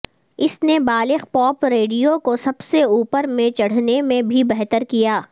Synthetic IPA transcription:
ɪsnebaːlɪxpɔːpɾeːɖijokosɐbseuːpəɾmẽt͡ʃɐɽ̤nemẽbʱibɛɦt̪əɾkijaː

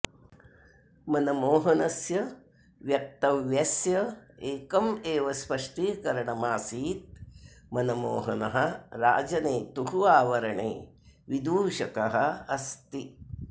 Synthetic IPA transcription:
mɐnɐmoːɦɐnɐsjɐ | ʋjɐk̚t̪ɐʋjɐsjɐeːkɐmeːʋɐspɐʂʈikɐɾɐɳɐmaːsiːt̪̚mɐnɐmo̰ːɦɐnɐɦɐɾa̰ːd͡ʒɐneːt̪uɦuaːʋɐɾɐɳḛː | ʋid̪ʱuːʃɐkɐɦɐɐst̪i

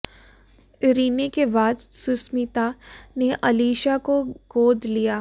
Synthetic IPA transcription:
ɾiːnekebaːd̪sʊsmit̪aneʔɐliːʃakoɡoːd̪lijaː

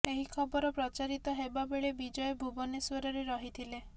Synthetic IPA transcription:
eɦikʰɔbɔɾɔpɾɔt͡ʃaɾit̪ɔɦebabeɭebid͡ʒɔjebʱubɔneswɔɾɔɾeɾɔɦit̪ʰile

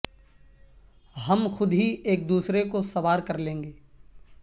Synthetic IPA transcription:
ɦɐmxʊd̪ɦieːk̚d̪uːsɾekosɐʋaːɾkɐɾlẽːŋɡeː

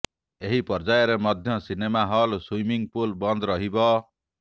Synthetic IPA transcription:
eɦipɔɾd͡ʒajɔɾemɔd̪ʱjɔsinemaɦɔlswimiŋpulbɔnd̪ɾɔɦibɔ

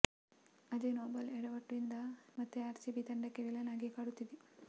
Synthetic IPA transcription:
ɐd͡ʒenoːbɐlɛɽɐʋɐʈːuind̪ɐmɐt̪ːeaːɾsiːbit̪ɐɳɖɐkːeʋilɐnaːɡikaːɽut̪ːid̪e

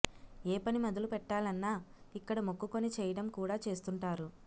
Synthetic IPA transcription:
eːpɐnimɐd̪ɐlupɛʈːaːlɐnːaːikːɐɽɐmokːukonit͡ʃɛːjɐɽɐmkuːɽaːt͡ʃe̞ːst̪uɳʈaːɾu

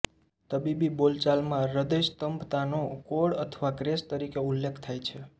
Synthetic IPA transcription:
t̪əbibibolt͡ʃalmãɾəd̪est̪əmpt̪anokoɽət̪ʰəʋakɾest̪əɾikeulːekʰt̪ʰajt͡ʃʰe

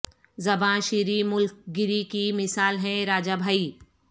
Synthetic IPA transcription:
zɐbãːʃiɾimʊlk̚ɡɪɾikimɪsaːlɦɛ̃ɾaːd͡ʒabʱaːiː

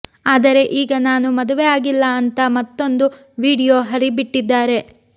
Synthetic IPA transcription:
aːd̪ɐɾe̞ʔiːɡɐnaːnumɐd̪uʋejaːɡilːɐɐnt̪ɐmɐt̪ːo̞nd̪u | ʋiːɽijo̞ːɦɐɾibiʈːid̪ːaːɾe̞

